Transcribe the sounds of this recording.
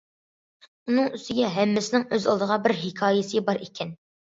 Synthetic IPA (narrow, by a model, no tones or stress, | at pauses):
unɨŋyst̪ɪɡʲɛɦɛmːɪsɪnɪŋøzɑ̰lˠd̪əʁɑbɪɾɦɪkʲʰɑːjɪsɨbɑɾikʲʰɛn